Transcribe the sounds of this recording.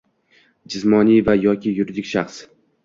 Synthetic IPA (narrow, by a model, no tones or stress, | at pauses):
d͡ʒɪsmɒnijvajɒkʲʰɪjʊɾɪd̪ɪkʲʃaχs